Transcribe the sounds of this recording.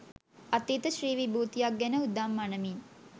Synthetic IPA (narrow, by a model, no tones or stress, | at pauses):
at̪ːit̪əʃriːʋibuːt̪ijak̚ɡɛnəud̪amːanəmin